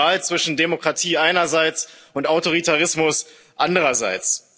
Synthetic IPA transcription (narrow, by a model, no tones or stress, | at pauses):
aːlt͡sv̥ɪʃn̩demokʁ̥atʰiːʔaɪnɐzaɪt͡sʊntaʊtoʁ̞itʰaʁɪsmʊs | ʔandəʁɐza̰ɪt͡s